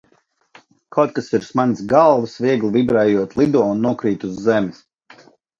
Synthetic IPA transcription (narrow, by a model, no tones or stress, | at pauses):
kawt̪̚kasiɾsmansɡalˠvsvʲiɛɡlˠvʲibɾɛjuɔt̪lˠid̪uɔunːuɔkɾiːt̪uzːɛmɪs